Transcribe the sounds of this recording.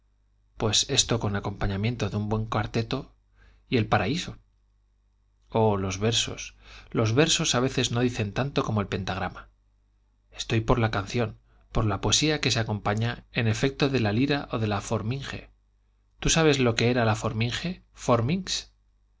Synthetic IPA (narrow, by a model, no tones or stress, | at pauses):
pwe̞se̞st̪o̞ko̞nako̞mpaɲamjẽ̞nt̪o̞ðeumbwe̞ŋkwaɾt̪e̞t̪o̞ | ie̞lpaɾaiso̞ | olo̞zβe̞ɾso̞̰slo̞zβe̞ɾso̞saβe̞θe̞zno̞ðiθe̞nt̪ant̪o̞ko̞moe̞lpe̞nt̪aɣ̞ɾama | e̞̥st̪o̞jpo̞ɾlakan̟θjo̞n | po̞ɾlapoe̞siake̞seako̞mpaɲae̞ne̞fe̞k̚t̪o̞ðe̞laliɾaʔo̞ðe̞lafo̞ɾmiŋxe̞̰ | t̪usaβ̞e̞zlo̞ke̞e̞ɾalafo̞ɾmiŋxe̞fo̞ɾmiŋks